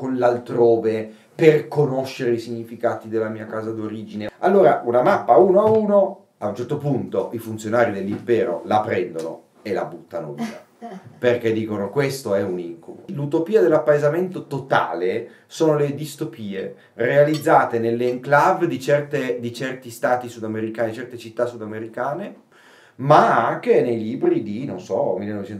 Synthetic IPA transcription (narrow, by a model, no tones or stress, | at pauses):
konlalt̪ɾoːve | perkonoʃːeɾeisiɲːifikaːt̪id̪elːamiːakaːzad̪oɾiːd͡ʒinealːoːɾa̰ʔunamapːauːnoauːno | aunt͡ʃɛrt̪opunt̪oʔifunt̪sjonaːɾid̪elːimpɛːɾo̰lapɾɛnd̪ono̰ | elːa̰but̪ːanoviːa | perk̟ed̪ːiːkonokwest̪oɛuniŋkubo̰lut̪opiːad̪elːapːaezament̪ot̪ot̪a̰ːle | soːnoled̪ist̪opiːḛ | realid̪zːaːt̪enelːeŋklavd̪it͡ʃɛrt̪ed̪it͡ʃɛrt̪ist̪aːt̪isud̪ameɾikaːnid̪it͡ʃɛrt̪et͡ʃit̪ːasːud̪ameɾikaːne | maaŋk̟enejliːbɾid̪inonsɔmilːenɔvet͡ʃɛn